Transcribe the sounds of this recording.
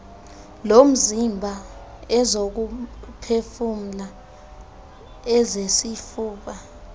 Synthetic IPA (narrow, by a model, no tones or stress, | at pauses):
lom̩zimbʱa | ɛzok̬upʰefum̩la | ɛzesifuːɓa